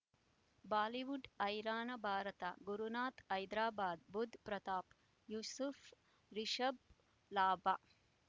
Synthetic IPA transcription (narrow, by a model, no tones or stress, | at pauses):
baːliʋuɖɐjɾaːnɐbʱaːɾɐt̪ɐ̰ɡuɾunaːt̪ɐjd̪ɾaːbaːd̪bud̪ʱpɾɐt̪aːp | juːsuf | ɾiʃɐb̚ | laːba